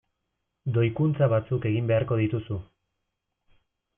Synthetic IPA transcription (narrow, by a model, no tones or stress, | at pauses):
d̪o̞jkunt͡saβat͡suke̞ɣimbe̞aɾko̞ð̞it̪usu